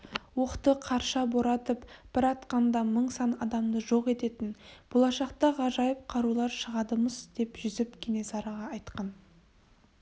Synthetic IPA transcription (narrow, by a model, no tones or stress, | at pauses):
woqt̪əqʰɑɾʃɑbo̞ɾɑt̪əpb̥ɪɾɑt̪qɑnd̪ɑməɴsɑnɑd̪ɑmd̪əʒo̞qe̞t̪e̞t̪ɪnb̥o̞lˠɑʃɑqt̪ɑʁɑʒɑjəp̚qʰɑɾulˠɑɾʃəʁɑd̪əməzd̪̥e̞pʒʏzɪpkʲʰene̞sɑɾɑʁɑːjt̪qɑn